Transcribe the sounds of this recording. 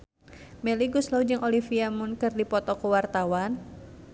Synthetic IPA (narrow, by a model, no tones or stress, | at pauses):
mɛliɡuslaud͡ʒɨŋʔolifiamʊnkɨrdipɔt̪ɔkuwart̪awan